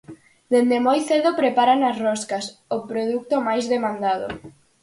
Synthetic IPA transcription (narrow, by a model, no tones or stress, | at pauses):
d̪end̪emojθeðopɾepaɾanasrɔskasopɾoðuk̚t̪omajzðemãnd̪að̞o̰